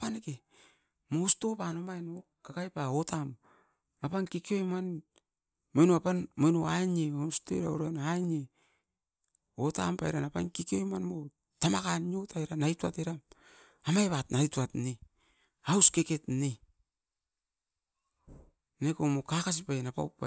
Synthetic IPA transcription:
paneke | mosto̞panomajno | kakajpaotam | apankikio̞jman | mojnoapanmojnoaɲeosto̰j̰ɾa̰o̰ɾanaɲe | ota̰mpajɾanapa̰nkikiojmanmo | tamakaniotajɾanajtuateɾam | amajβatnajtuatne | awskeke̞tne | nekomokakas̬ipanapa̰wpːa̰

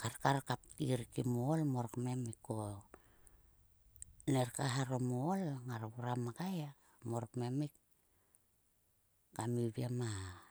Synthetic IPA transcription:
kaɾkaɾkap̚iɾkimolmoɾokmemiko | neɾkaɦaɾomolŋaɾuɾamakaja | moɾokmemik̚ | kamiβiama

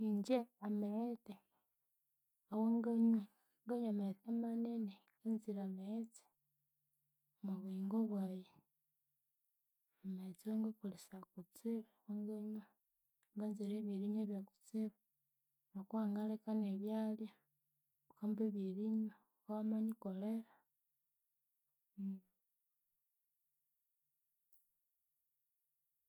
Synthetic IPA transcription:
iɲd͡ʒeameɾete | awoŋɡaɲu | ŋɡaɲametemaneneŋɡanziɾamet͡si̥ | omuβiːŋɡoβwaːje | amet͡sieŋɡekulisakut͡siɾawoŋɡaɲu | ŋɡanzeɾeβiɾiɲeβjaku̥t͡siβa | nakuwaːŋɡalekaneβjalja | ukambeβiɾiɲo | kamaɲikoleɾa

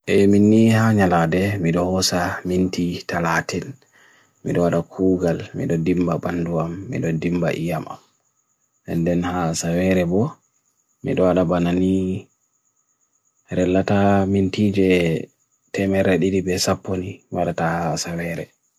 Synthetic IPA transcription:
ʔɛminːihaɲaladɛmiɗɔhɔsamintitalatɛn | mḭɗɔwaɗakʰuːɡalmḭɗɔdimbabanduamːḭɗɔdimba̰ʔijama̰m | ʔɛndɛnhasawɛɾɛbɔ | mḭɗɔwaɗabanani | ɾɛlːatamintiːd͡ʒɛ | tɛmɛɾɛɗiɗibɛsapːoniwaɗatahasawɛɾɛ

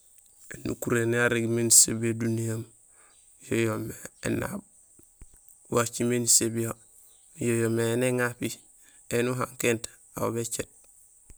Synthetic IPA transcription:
enṵkuɾeniaɾiɡmensebiodunijam | jojomeḛna̰b̚ | wat͡ʃimenisebijo | jojomeneŋapi | enuɦa̰ŋkent | awobet͡ʃet̚

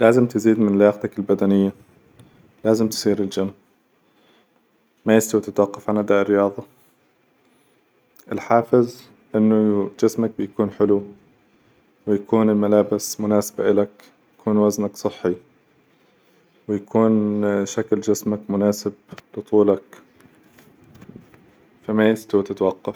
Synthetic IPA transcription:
laːzɪmt̪ɪziːd̪mɪnlaːxt̪akɪlbad̪anɪjːa | laːzɪmt̪ɪ̥sˤiːɾɪld͡ʒamː | ajɪst̪awat̪ɪt̪wɑqːɑfʕanʔad̪aːʔɪɾːɪjɑːðˤɑ | ʔɪlħaːfɪz | ʔɪnːʊd͡ʒɪsmak̚bɪjakuːnħɪlu | wɪjakuːnɪlmalaːbɪsmʊnaːsḁba̰ʔɪlak | jakuːnwaznaksˤɨħːi | wɪjakʰuːnʃakld͡ʒɪsmakmʊnaːsɪb̚lɨt̪ˤuːlak | famajɪst̪awt̪ɪt̪wɑqːɑf

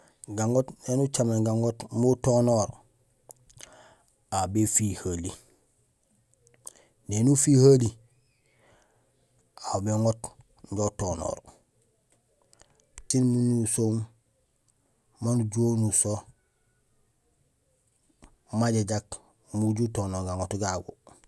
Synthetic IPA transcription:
ɡaŋɡotnenut͡ʃameɡaŋotmotonoːɾ | abefihali | nenufihali | abeŋot | ɲɟotono̰ːɾ | t͡ʃinmunusom | manuɟonuso | maɟaɟak | muɟutonoɡaŋotɡaɡṵ

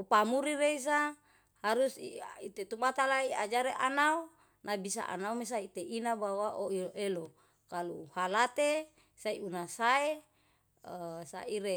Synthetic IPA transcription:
upamuɾiɾeis̬a | haɾusiit̪et̪umat̪alaiad͡ʒaɾeʔanau | nʔabisa̰ʔa̰naumes̬ait̪einabawaʔoioʔelo | kalṵhalat̪e | saiunasae | əsa̰iɾe

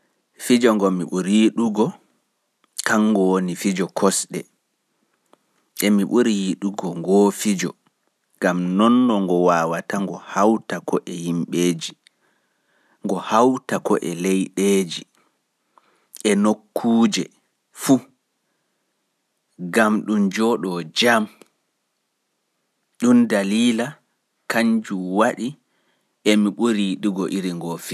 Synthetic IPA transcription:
fid͡ʒɔŋɡɔmiɓuɾiɗuɡɔ | kaŋːɡɔwonifid͡ʒɔkʰɔsɗɛ̰ | ʔɛmiɓuɾiɗuɡɔŋɡɔːfid͡ʒɔ | ɡamnɔnːɔŋɡɔwaːwataŋɡɔhawtakɔʔɛhimɓeːd͡ʒi | ŋɡɔhawtakɔʔɛlejɗeːd͡ʒi | ʔɛnokːuːd͡ʒɛ | fu | ɡamɗumd͡ʒɔɗɔd͡ʒam | ɗundaliːla | kaɲd͡ʒuwaɗi | ʔɛmiɓuɾiɗiɡɔʔiɾiŋɡɔfi

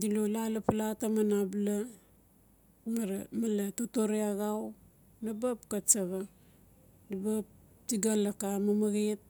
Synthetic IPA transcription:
dilolalapalatamanabla | maɾamalatotoɾeaɡaw | nabapkat͡ʃaɡa | dabap̚ | tiɡalakamamaɡet̚

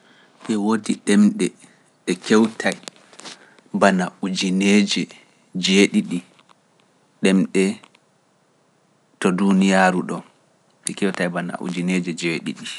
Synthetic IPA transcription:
ʔɛwodiɗɛmɗɛ | ɗɛkɛwtʰaj | banaud͡ʒined͡ʒɛ | d͡ʒeɗiɗi | ɗɛmɗɛ | tɔdunijaːɾuɗɔ | ɓɛkɛwtajbana̰ʔṵd͡ʒined͡ʒɛd͡ʒeɗḭɗi

